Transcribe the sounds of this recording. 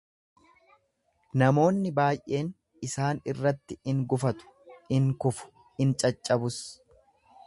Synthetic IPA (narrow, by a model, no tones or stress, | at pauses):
nɐmo̞ːnːɪbaːjʔe̞ːn | ɪsaːnɪrːɐt̪ːɪɪŋɡʊfɐt̪ʊ̥ | ɪŋkʊfʊ̥ | ɪnt͡ʃʼɐt͡ʃʼːɐbʊs